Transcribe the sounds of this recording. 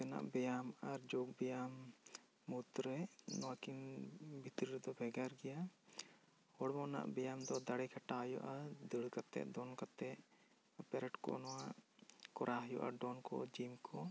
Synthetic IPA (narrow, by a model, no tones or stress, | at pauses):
t̪ɛna̰ʔbɛjamaɾd͡ʒoɡ̚bɛjamː | ut̪ɾɛnɔwakinbʱit̪ɾiɾɛd̪ɔbʱɛɡaɾɡɛja | hɔɽmɔna̰ʔbɛjamd̪ɔd̪aɽɛkʰaʈaɦjṵʔad̪əɽkat̪ɛ̰ʔd̪ɔnkat̪ɛʔ | pɛɾɛʈkɔ̰nɔwaʔkɔɾʔaɦajɔʔa̰ɖɔnkɔ̰d͡ʒimkʰɔ